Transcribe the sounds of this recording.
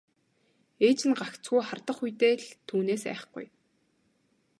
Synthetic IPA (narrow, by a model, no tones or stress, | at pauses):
eːt͡ɕɘ̆nɢakt͡sɡujχart̪ə̆χujt̪eːɮt̪ʰːuːneːsæ̰ːχ̆χɡṵj